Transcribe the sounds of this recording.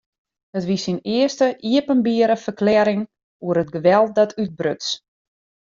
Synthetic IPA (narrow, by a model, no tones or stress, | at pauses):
ətʋisinɪəstəʔiəpənbiəɾəfərklɛːɾɪŋ | uəɾət̚ɡəʋɛlˠt̚dɔtʰyt̚brøts